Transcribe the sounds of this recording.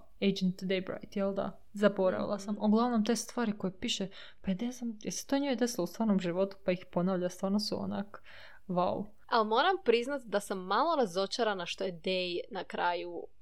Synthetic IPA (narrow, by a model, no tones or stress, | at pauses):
ejd͡ʒent̪d̪ejbɾa̰jt̪jɛlˠd̪a̰ | zabo̞ɾa̰ʋḭlˠasamoɡlˠaʋnomt̪e̞st̪ʋaːɾiko̞jepiːʃe | pad̪ezamjese̥t̪oɲijed̪esilˠoust̪ʋaːɾnomʒiʋo̞t̪u̥paixpo̞naːʋʎast̪ʋaːɾnosuo̰na̰k | ʋa̰l | almo̞ɾampɾiznat̪d̪asamːalˠo̞ɾazo̞t͡ʃaɾanaʃt̪ojed̪ejnakɾaːju